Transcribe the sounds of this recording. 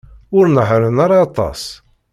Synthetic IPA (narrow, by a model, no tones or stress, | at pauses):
ʊɾnəħɾənɑɾˤɑːt̪ˤɑ̰s